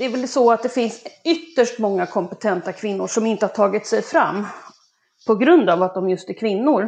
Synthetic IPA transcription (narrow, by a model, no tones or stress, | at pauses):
d̪̥ɛæɾvɛlsɔat̪̚d̪ɛfɪnsʏt̪ːəʂʈmɔŋːakʰɔmpɛt̪ʰɛnt̪akʰvɪnːʊʂɔmɪnt̪əhaʈʰɑːɡɪt̪sɛjfɾamː | pʰɔɡɾɵnd̪avat̪̚d̪ɔmjɵst̪æɾkʰvɪnːʊɾ